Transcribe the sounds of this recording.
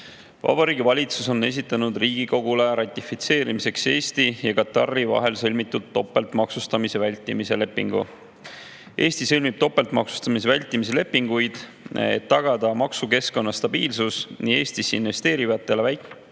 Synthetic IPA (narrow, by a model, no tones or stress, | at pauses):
vɑ̰b̥ɑɾiːɡivɑlʲit̪suso̞nːe̞s̬ʲit̪ːˑɑnud̪riːɡ̥iko̞ɡ̥ule̞ɾɑt̪ʲˑːifit̪se̞ːɾimise̞kse̞ːst̪ijɑkɑt̪ɑrːivɑ̰ɦe̞lsɤlʲmit̪ːˑut̪ːo̞pːˑe̞lt̪mɑksust̪ɑmise̞vælʲt̪ːˑimise̞le̞pːˑiŋɡ̥ṵ | ʔe̞ːst̪isɤlʲmib̥̚t̪o̞pːˑe̞lt̪mɑ̰ksu̥st̪ɑmis̬evælʲt̪ːˑimis̬e̞le̞pːiŋɡ̥ujd̪̥ | ḛt̪ːɑɡ̥ɑd̪̥ɑmɑksuke̞sko̞nːɑst̪ɑb̥iːlsusnie̞ːst̪isinve̞st̪e̞ːɾivɑt̪ːˑe̞levæjk